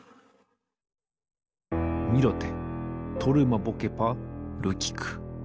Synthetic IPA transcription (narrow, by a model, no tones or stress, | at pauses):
mʲiɾot̪et̪ʰoɾɯmabokepaɾɯkʲi̥kʰɯ̥